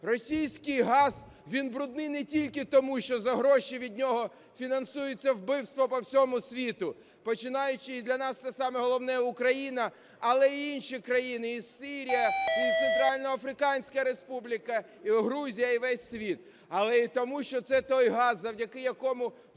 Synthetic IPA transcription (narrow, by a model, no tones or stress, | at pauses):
rɔsʲijsʲkɪjɦɑz̥ | ʋʲinbɾʊd̪̚nɪjnɛtʲilʲkɪt̪ɔmuʃt͡ʃɔzɐɦɾɔʃiʋʲidʲnʲɔɦɔ | fʲinɐnsujet͡sʲːɐwbɪwst̪ʋɔpɔwsʲɔmʊsʲʋʲit̪ʊ | pɔt͡ʃɪnɑjʊt͡ʃɪid̪lʲɐnɑst̪sɛsɑmɛɦɔlˠɔwnɛjɛʊkɾɐjinɐː | lˠɛiinʃikɾɐjinɪisiɾʲijɐit̪sent̪ɾɑlʲnɔɐfɾɪkɑnʲsʲkɐɾespublʲikɐ | iɦɾuzʲijɐiʋɛsʲːʋʲit̪̚ | ɐlˠɛit̪ɔmuʃt͡ʃɔt̪sɛt̪ɔjɦɑzːɐwdʲɐkɪjɐkɔmʊ